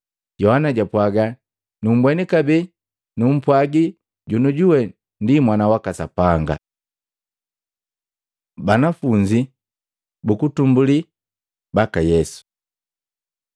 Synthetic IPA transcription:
ɟɔhanaɟapwaɡa | num̩bwɛnikabi | num̩pwaɡi | ɟunuɟuwɛ | ndimwanawakasa̰paŋɡa̰ | banafuɲd͡ʒi | bukutumbuli | bakajɛsu̥

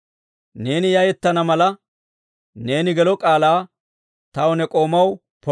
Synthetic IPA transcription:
ne̞ːnɪjɐjɛt̪ːɐnɐmɐlɐ | ne̞ːnɪɡɛlɔkʼaːlaː | t̪ɐwɔnɛkʼo̞ːmɐw | pɔ

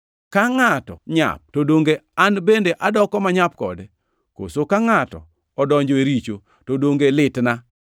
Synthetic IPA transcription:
kaŋatɔ̰ɲa̰p̚todoŋɡeanbendeʔadɔkɔmaɲap̚kɔ̰de | ko̰sokaŋatɔ̰ | ɔdɔɲd͡ʒɔeɾit͡ʃo | todoŋɡelɪtna

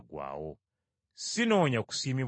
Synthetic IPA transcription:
ɡwa̰ːwo̰ | sinoːɲaku̥siːmiβ

